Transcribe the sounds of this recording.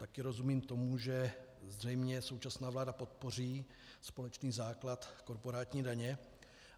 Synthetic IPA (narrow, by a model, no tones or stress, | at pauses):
t̪akɪɾo̞zumiːmt̪o̞muʒɛ | zrɛjmɲɛso̞wt͡ʃasnaːvlaːdapo̞t̪̚po̞r̝iː | spo̞lɛt͡ʃniːzaːklat̪ko̞ɾpo̞ɾaːt̪ɲiːdaɲɛ